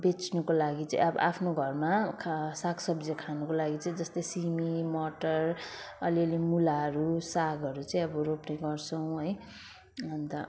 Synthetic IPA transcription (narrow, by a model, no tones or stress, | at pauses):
bet͡snukolaɡit͡sa̰ḭ̃ʌbʌ̰ʔapʰnoɡʱʌrmakʰsaksʌbd͡zʌkʰanukolaɡit͡sʌĩd͡zʌst̪ʌjsimimʌʈʌr | ʌliʌlimulaɦʌɾusaɡʱʌɾut͡sʌĩʌbʌɾopneɡʌrt͡sʰʌw̃ɦʌj | ʌnt̪ʌ